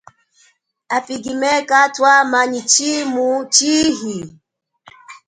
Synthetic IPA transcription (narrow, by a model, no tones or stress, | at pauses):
apiɡimɛkatwamaɲit͡ʃimut͡ʃiɦi